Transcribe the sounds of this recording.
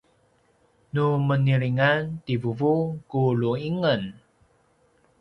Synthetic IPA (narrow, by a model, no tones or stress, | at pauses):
numəniɾiŋantivuvukuɭuiŋən